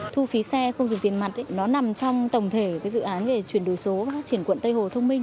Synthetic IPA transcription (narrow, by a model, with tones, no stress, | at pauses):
t̪ʰu˧fi˨˦sɛ˧xə˧wŋ͡mzʊ˨˩ŋ͡mt̪i˨˩ənma˨˩t̚nɔ˨˦na˨˩mt͡ɕɔ˧wŋ͡mt̪ə˨˩wŋ͡mt̪ʰe˧˩kaː˨˦jzɨ̰˧˨ʔaː˨˦nve˨˩t͡ɕwi˧˩ənɗɨ˨˩əjso˨˦va˨˩faː˦˥t͡ɕi˧˩ənkwə̰˧˨nt̪ə˧jho˨˩t̪ʰə˧wŋ͡mmï˧ŋ̟